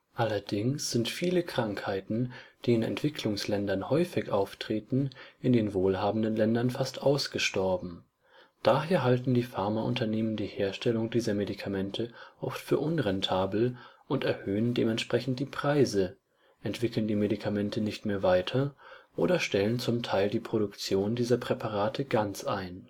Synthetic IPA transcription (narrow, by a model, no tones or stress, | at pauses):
ʔalɐdɪŋsz̥ɪntfiːləkʁ̥aŋkhaɪtn̩d̥iːɪnɛ̰ntv̥ɪkʰlʊŋslɛndɐnhɔʏfɪçʔaʊftʁ̥eːtn̩ʔɪndeːnvoːlhaːbn̩dənlɛndɐnfastʔaʊsɡ̥əʃtɔɐbm̩ | d̥aɦeːɐɦaltn̩diːfaɐmaʔʊ̰ntɐneːməndiːheːɐʃtʰɛlʊŋdiːzɐmedikʰamɛntʰəʔɔftfyːɐʔʊnʁɛntʰaːbl̩ʔʊntɛɐhøːəndeːmɛntʃpʁ̥ɛçn̩t̚d̥iːpʁ̥aɪzə | ʔɛntv̥ɪkl̩ndiːmedikʰamɛntʰənɪçtmeːɐvaɪtʰɐʔo̰ːɾɐʃtɛlənt͡sʊmtʰaɪldiːpʁ̥oɾʊkt͡sjoːndiːzɐpʁ̥ɛpʰaʁ̞aːtʰəɡant͡sʔaɪn